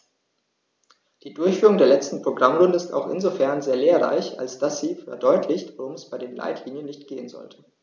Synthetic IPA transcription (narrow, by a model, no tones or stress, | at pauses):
d̥iːdʊɐçfyːʁʊŋdeːɐlɛt͡stn̩pʁ̥oɡʁamʁʊndəɪsta̰ʊxʔɪ̰nzofɛɐnzeːɐleːɐʁa̰ɪça̰lsd̥asz̥iːfɛ̰ɐdɔʏtʰlɪçtv̥aʁʊmɛsb̥aɪdeːnla̰ɪtʰliːnjənːɪçtɡ̥eːənzɔ̰ltʰə̥